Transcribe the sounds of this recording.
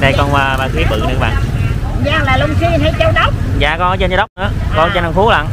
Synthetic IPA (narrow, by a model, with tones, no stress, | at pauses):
na˧jkɔ˧naː˧ɓaː˧˩xi˨˦əɓɨ̰˧˨nɨ̰˨˧˦ɓa̰ː˧˨ŋ | ɲaː˧˩laː˨˩lʊ˧ŋ͡msi˧a˧jt͡ɕə˧˦wɗə˦˥wk͡p̚za̰ː˧˨kɔ˧˨˦ɔ˧˦t͡ɕə˧na˧ɗwk͡p̚nɨ̰˨˧˦əkɔ˧˦t͡ɕna˧nfu˨˦la̰˧˨n